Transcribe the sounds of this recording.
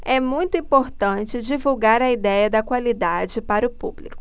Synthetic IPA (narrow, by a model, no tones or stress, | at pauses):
ɛmũj̃t̪ʊĩpoɾt̪ɐ̃t͡ʃɪd͡ʒivuwɡaɾɐid̪ɛjɐd̪ɐkwalid̪ad͡ʒɪpaɾʊpṵblikʊ̥